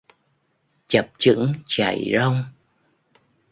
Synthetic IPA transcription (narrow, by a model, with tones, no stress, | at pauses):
t͡ɕə˨˩p̚t͡ɕɨ̰˧˥ŋt͡ɕa̰˧˩jzə˧wŋ͡m